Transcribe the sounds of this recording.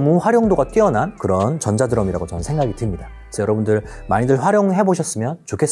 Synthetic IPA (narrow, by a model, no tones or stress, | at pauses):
muɸwaɾjoŋdoɡat͈iʌnankɯɾʌnt͡ɕʌnd͡ʑadɯɾʌmiɾaɡot͡ɕʌnɯnsʰe̞ŋɡaɡitɯmɲida | isʰʌjʌɾʌbundɯɭmaɲidɯɭɸwaɾjoŋɭɦe̞boɕʰʌs͈ɯmjʌnt͡ɕokʰes͈